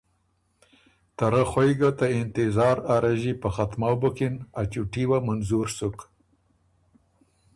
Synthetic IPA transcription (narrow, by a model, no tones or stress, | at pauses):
t̪aɾaxojɡat̪aɪnt̪ɪzɑːɾaɾaʒipəxat̪mawbukinat͡ʃuʈiwamanzuɾsuk